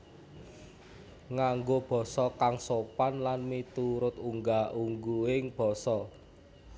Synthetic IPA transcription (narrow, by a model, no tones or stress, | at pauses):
ŋaŋɡob̥ɔ̤sɔkaŋsopanlanmit̪uɾʊt̪uŋɡaʔuŋɡuɪŋb̥ɔ̤sɔ